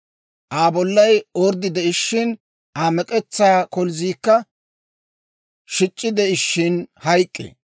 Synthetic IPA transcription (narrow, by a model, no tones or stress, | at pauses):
ʔaːbɔlːɐjɔɾd̪ɪd̪ɛɪʃːɪn | ʔaːmɛkʼɛt͡sːaːkɔlziːkːɐ | ʃɪt͡ʃʼːɪd̪ɛɪʃːɪnhɐjkʼːḛ